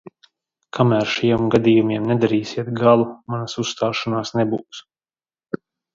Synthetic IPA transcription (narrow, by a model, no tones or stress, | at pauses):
kʰamæːɾʃajɛmɡad̪ʲiːjumʲiɛmnɛd̪aɾiːsʲiɛt̪ɡalˠumanasusːt̪aːʃanaːsnɛbuːks